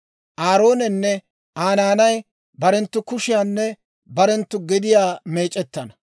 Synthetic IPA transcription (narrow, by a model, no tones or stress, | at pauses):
ʔaːɾo̞ːnɛnːɛ | ʔaːnaːnɐj | bɐɾɛnt̪ːʊkʊʃɪjanːɛ | bɐɾɛnt̪ːʊɡɛd̪ɪjaːmeːt͡ʃʼːɛt̪ːɐnɐ